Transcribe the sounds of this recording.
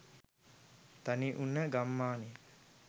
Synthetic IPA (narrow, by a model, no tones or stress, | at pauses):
t̪aniʔunːəɡamːaːni